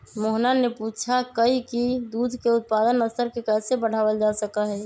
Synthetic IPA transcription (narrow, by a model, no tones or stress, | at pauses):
moɦnaneput͡ʃʰakəikid̪ud̪ʱkeut̪̚pad̪ənəst̪əɾkekɛsebəɽ̤abəld͡ʒasəkəɦɛ